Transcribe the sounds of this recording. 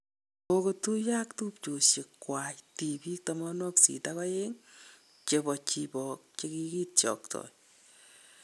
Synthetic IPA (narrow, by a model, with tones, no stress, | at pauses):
okotu˦ja˦ktu˦pt͡ʃo˨ʃe˨kːwa˨jti˨bi˦k̚tɔmɔ˦nwɔ˦ksḭ˨taka˦je˦ŋ | t͡ʃebɔ˨t͡ʃibɔ˨k̚t͡ʃe˦kiki˦tt͡ʃɔ̰˨ktʰɔ̰j